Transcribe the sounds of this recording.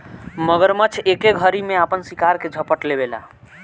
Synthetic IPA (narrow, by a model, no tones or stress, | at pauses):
məɡəɾmət͡ʃʰekeɡʱəɾimeapənsikaɾked͡ʒʱəpəʈlebela̰